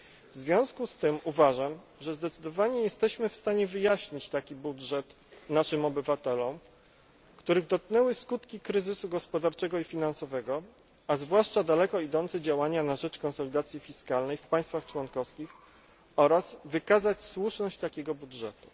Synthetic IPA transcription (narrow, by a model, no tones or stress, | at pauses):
vzvʲjɔ̃w̃skust̪ɘmuvaʐam | ʐɛzd̪ɛt̪sɘd̪ɔvaɲɛjɛst̪ɛɕmɘfst̪aɲɛvɘjaɕɲit͡ɕt̪akʲibudʐɛt̪ | naʂɘmɔbɘvat̪ɛlɔm | kt̪uɾɘɣd̪ɔt̪̚knɛwɘskut̪kʲikɾɘzɘsuɡɔspɔd̪aɾt͡ʂɛɡɔifʲinansɔvɛɡɔ | azvwaʂt͡ʂad̪alɛkɔid̪ɔnt̪sɛd͡ʑawaɲanaʐɛt͡ʂkɔnsɔlʲid̪at̪sʲjifʲiskalnɛjfpaj̃st̪faxt͡ʂwɔnkɔfskʲix | ɔɾazvɘkazat͡ɕswuʂnɔɕt͡ɕt̪akʲɛɡɔbudʐɛt̪u̥